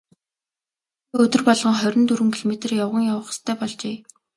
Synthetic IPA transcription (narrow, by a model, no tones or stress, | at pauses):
ɵt̪ɵ̆rpɔɮʁɞ̆ŋχœɾʲɞ̆nt̪uɾɘ̆ŋkʰiɮmet̪rjawʁə̆ŋjawə̆χst̪ʰœːpɔɮt͡ɕeː